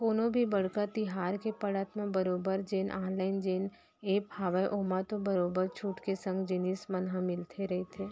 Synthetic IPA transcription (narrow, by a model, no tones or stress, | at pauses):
koːnõbʱibɐɽkat̪ɪɦaːɾkepɐɽaːt̪mẽbɐɾoːbəɾd͡ʒeːnʔaːnlaːɪnd͡ʒeːn | eːphaːʋəjʔoːmat̪õbɐɾoːbəɾt͡ʃʰuːʈkesə̃ŋɡd͡ʒɪniːsmɐnɦãmɪlt̪ʰeɾɐɦet̪ʰeː